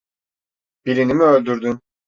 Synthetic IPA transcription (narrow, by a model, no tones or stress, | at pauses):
b̥iɾinimiølʲd̪yɾd̪ym